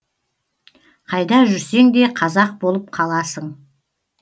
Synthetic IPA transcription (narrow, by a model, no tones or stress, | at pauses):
qʰɑjd̪ɑʒʏɾse̞ŋd̪e̞qʰɑzɑq̚bo̞lˠəp̚qʰɑlˠɑsəɴ